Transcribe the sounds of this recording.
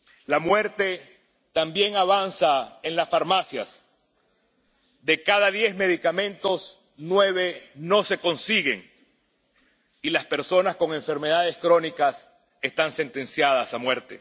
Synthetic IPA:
lamwe̞ɾt̪e̞ | t̪ambje̞ŋaβansaenlasfaɾmasjas | d̪e̞kaðaðjezme̞ðikamẽ̞nt̪o̞s | nwe̞βe̞no̞se̞ko̞nsiɣe̞̰ŋ | ilaspe̞ɾso̞naskoŋe̞ɱfe̞ɾme̞ðaðe̞skɾo̞nikas | e̞st̪anse̞nt̪e̞nsjaðasamwe̞ɾt̪e̞̰

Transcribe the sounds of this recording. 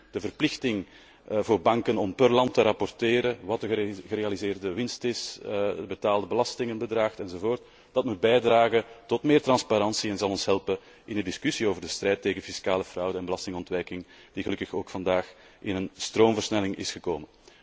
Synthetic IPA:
d̥əvərplɪxtɪŋ | voːrbɑŋkənɔmpɵrlɑntəɾɑpɔrteːɾəwɑtəɣɣəɾeɑlizeːrdəʋɪnstɪsbətaːlˠdəbəlɑstɪŋənbədraːxtɛnzovoːrt | d̥ɑtmut̚bɛjdraːɣətɔtmɪːrtrɑnspaɾɑnsiɛnzɑlˠɔnsɦɛlpə | ʔɪndədɪskysioːvərdəstrɛjtːeːɣənfiskaːləfrʌwdəɛnbəlɑstɪŋɔntʋɛjkɪŋ | d̥iɣəlɵkəxoːkfɑndaːx | ʔɪnənstroːmvərsnɛlɪŋɪ̰sxəkoːmən

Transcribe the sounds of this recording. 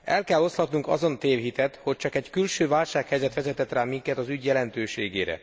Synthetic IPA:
ɛlkɛlːo̞st̪hɒt̪nuŋkɒ̰zo̞nt̪eːvɦit̪ɛt̪ho̞c̚t͡ʃɒkɛckylʃøːvaːlʃaːkhɛjzɛt̪ʋɛzɛt̪ɛt̪raːmiŋkɛt̪ɒzyɟjɛlɛnt̪øːʃeːɡeːɾɛ̰

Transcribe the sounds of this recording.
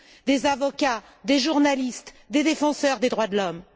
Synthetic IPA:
d̪ezavɔkʲa | d̪eʒuʁnalist̪ | d̪ed̪efɑ̃sœʁd̪ed̪ʁwad̪lɔm

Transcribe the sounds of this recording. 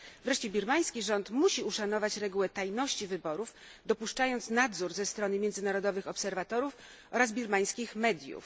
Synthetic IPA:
vɾɛʂt͡ɕɛbʲiɾmaj̃skʲiʐɔnt̪muɕiuʂanɔvat͡ɕɾɛɡuwɛt̪ajnɔɕt͡ɕivɘbɔɾuf | d̪ɔpuʂt͡ʂajɔnt̪snad̪zuɾzɛst̪ɾɔnɘmʲjɛnzɘnaɾɔd̪ɔvɘxɔpsɛɾvat̪ɔɾuf | ʔɔɾazbʲiɾmaj̃skʲixmɛd̪ʲjṵf

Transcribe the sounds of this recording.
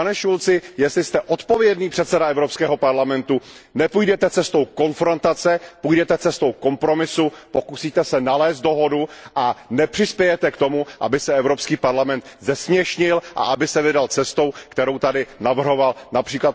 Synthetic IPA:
anɛʃult͡sɪjɛst̪lɪst̪ɛʔo̞t̪po̞vjɛdniːpr̝̥ɛt̪sɛdaɛvɾopskɛːɦo̞paɾlamɛnt̪u | nɛpujdɛt̪ɛt͡sɛst̪o̞wko̞nfɾo̞nt̪at͡sɛpujdɛt̪ɛt͡sɛst̪o̞wko̞mpɾo̞mɪsupo̞kusiːt̪ɛsɛnalɛːst̪doɦo̞duʔanɛpr̥ɪspjɛjɛt̪ɛkt̪o̞muʔa̰bɪsɛɛvɾo̞pskiːpaɾlamɛnt̪zɛsmɲɛʃɲɪlʔa̰ʔabɪsɛvɪdalt͡sɛst̪o̞wkt̪ɛɾo̞wt̪adɪnavr̩ɦo̞valnapr̥iːklat̪

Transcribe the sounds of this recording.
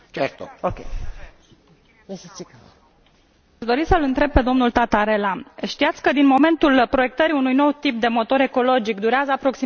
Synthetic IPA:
t͡ʃeɾt̪ookʲe | aʃd̪o̞ɾisəlɨnt̪ɾe̞b̚pe̞d̪o̞mnult̪at̪aɾe̞laʃt̪iat̪sʲkəd̪inmo̞me̞nt̪ulpɾo̞jek̚t̪əɾiunujno̞wt̪ip̚d̪e̞mo̞t̪o̞ɾe̞ko̞lo̞d͡ʒikd̪uɾeazəapɾo̞ksi

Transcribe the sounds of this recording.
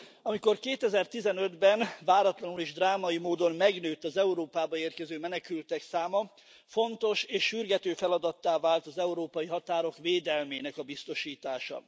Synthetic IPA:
ɒmiko̞rkeːt̪ɛzɛrt̪izɛnø̞d̪bɛnvaːɾɒt̪lɒnuleːʒd̪raːmɒjimoːd̪o̞nmɛɡnøːt̪ːɒzɛuɾoːpaːbɒeːrkɛzøːmɛnɛkylt̪ɛksaːmɒ | fo̞nt̪o̞ʃeːʃːyrɡɛt̪øːfɛlɒd̪ɒt̪ːaːvaːlt̪ɒzɛuɾoːpɒjiɦɒt̪aːɾo̞kveːd̪ɛlmeːnɛkɒbist̪o̞ʃiːt̪aːʃɒ̰

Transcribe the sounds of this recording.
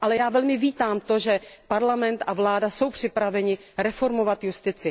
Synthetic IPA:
ʔalɛjaːvɛlmɪviːt̪aːmt̪o̞ʒɛpaɾlamɛnt̪ʔavlaːdaso̞wpr̝̥ɪpɾavɛɲɪ | ɾɛfo̞ɾmo̞vat̪just̪ɪt͡sɪ

